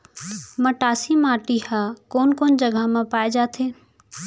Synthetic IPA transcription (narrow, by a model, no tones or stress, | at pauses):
mɐʈaːsimaːʈihakoːnkoːnd͡ʒəɡʱəmãpaːed͡ʒaːt̪ʰeː